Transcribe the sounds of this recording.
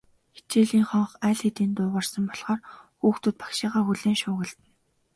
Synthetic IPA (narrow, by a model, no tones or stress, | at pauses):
xe̥t͡ɕeːɮiːŋχɔɴχæːɮxet̪iːnt̪ʊːʁə̆rsə̆mpɔɮχɔːrxuːxt̪ŭt̪̚pḁkʃɪːʁaːxuɮeːŋʃʊːɣə̆ɮt̪ɘ̆n